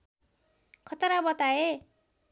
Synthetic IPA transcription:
kʰʌt̪ʌɾabʌt̪ae

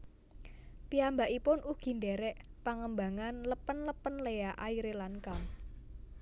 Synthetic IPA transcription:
piambaʔipʊnʔuɡ̥i̤ndɛɾɛʔpaŋəmbaŋanləpənləpənlejaʔaiɾelankaŋ

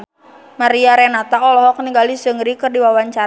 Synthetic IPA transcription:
maɾiaɾɛnat̪aɔlɔɦɔkniŋɡalisəŋɾikɨrdiwawaɲt͡ʃaɾ

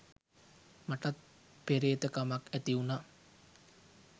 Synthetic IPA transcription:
maʈat̪̚ | peɾeːt̪əkamakæt̪iuna

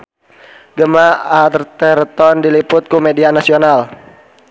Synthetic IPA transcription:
ɡəmaart̪ɛrt̪ɔndilipʊt̪̚kumedianasional

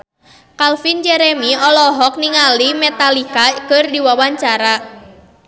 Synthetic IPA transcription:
kalfind͡ʒɛɾemiɔlɔɦɔk̚niŋalimɛt̪alikakɨrdiwawaɲt͡ʃaɾa

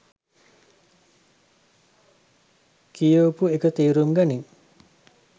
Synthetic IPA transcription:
kijoːpuekət̪iːɾumɡaniŋ

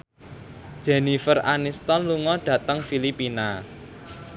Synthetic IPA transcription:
d̥ʒ̥ɛ̤nifərʔanist̪ɔnluŋɔɖ̥ä̤t̪əŋfilipina

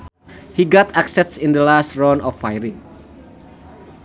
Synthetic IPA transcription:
hiɡɔt̪aksɛsĩnd̪əlastɹɔnɔfajɾiŋ

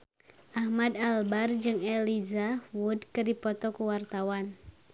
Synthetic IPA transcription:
ʔahmadalbard͡ʒɨŋɛlizawudkərdipɔt̪ɔkuwart̪awan

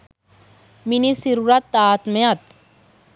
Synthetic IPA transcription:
minisiɾuɾat̪ːaːt̪mɐjat̪

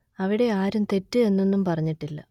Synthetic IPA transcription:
ɐʋiɽe̞aːɾumt̪e̞tːɨe̞nːe̞nːumpɐrɐɲːiʈːilːɐ̰

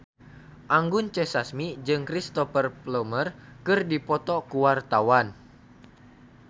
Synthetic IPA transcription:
ʔaŋɡʊnt͡ʃɛsasmid͡ʒɨŋkɾist̪ɔfərplɔmərkɨrdipɔt̪ɔkuwart̪awan

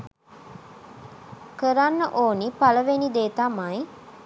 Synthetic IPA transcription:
kəɾanːəʔoːnipaləʋenid̪eːt̪amaj

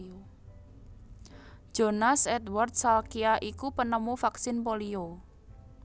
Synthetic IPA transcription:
o | d̥ʒ̥o̤nasɛt̪wart̪̚salkiaʔikupənəmufaksɪnpolio

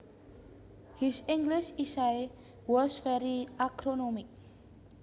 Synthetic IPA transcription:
hisɪ̃ŋɡliʃisaj | wɔsfɛɾiakɾonɔmik̚

